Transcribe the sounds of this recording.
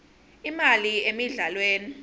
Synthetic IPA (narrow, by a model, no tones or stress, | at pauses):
imaliemiɮalweːni